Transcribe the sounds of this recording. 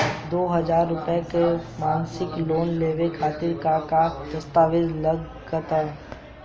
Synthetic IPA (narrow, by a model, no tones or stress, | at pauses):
d̪oːɦɐzaːɾːʊpəekemaːnsɪkloːnleːʋekʰaːt̪ɪɾkakad̪ɐst̪aːʋɪd͡ʒlɐɡ | ɡət̪a